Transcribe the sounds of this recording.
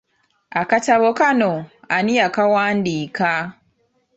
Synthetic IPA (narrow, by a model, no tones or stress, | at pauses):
akataβokanoaniakawaːndiːka